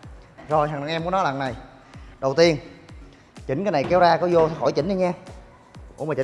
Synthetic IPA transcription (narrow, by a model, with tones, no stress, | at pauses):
zo˨˩jɦaː˨˩na˨˩ŋʔɛ˧mku˧˦nɔ˨˦la˨˩na˨˩j | ɗə˨˩wt̪i˧ən | t͡ɕï˦ŋ̟kaː˨˦jna˨˩jkɛ˨˦wzaː˧kɔ˨˦zo˧t̪ʰːxɔ˧˩jt͡ɕï˨˦ŋ̟ɗi˧ɲaː˧ | ku˧˥əma˨˩t͡ɕi˨˦